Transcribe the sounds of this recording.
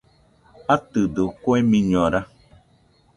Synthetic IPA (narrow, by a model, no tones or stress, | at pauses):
atɨdəkɔɛmiɲɔɾa